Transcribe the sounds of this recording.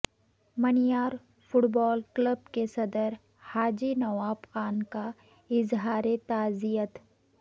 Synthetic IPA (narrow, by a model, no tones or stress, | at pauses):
mɐnijaːɾ | fʊʈbɔːlkləb̚kesɐd̪əɾ | haːd͡ʒinɐʋaːfxaːnka | ɪzɦaːɾet̪aːzijət̪